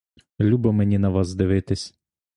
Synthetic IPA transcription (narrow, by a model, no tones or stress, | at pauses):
lʲubɨmɛnʲinɐʋɑsd̪eʋɪt̪ɪsʲ